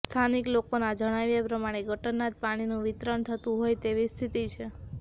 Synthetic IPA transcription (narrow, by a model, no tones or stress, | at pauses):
st̪ʰaniklokonad͡ʒəɽ̃aʋjapɾəmaɽ̃eɡʱəʈənːat̪̚paɽ̃inũʋit̪ɾəɳt̪ʰət̪ũɦojt̪eʋist̪ʰit̪it͡ʃʰe